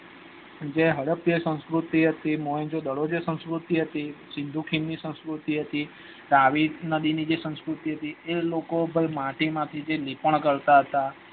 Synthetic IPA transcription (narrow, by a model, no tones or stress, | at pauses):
d͡ʒeɦəɽəpjəsə̃nskɾut̪iɦət̪imoɦẽnd͡ʒod̪əɽod͡ʒesə̃nskɾut̪iɦət̪isɪ̃nd̪ʱukʰimnisə̃nskɾut̪iɦət̪i | ɾaʋinəd̪inid͡ʒesə̃nskɾut̪iɦət̪ielokobʱəmãʈimãt̪ʰid͡ʒelipəɳ̃kəɾt̪aɦət̪a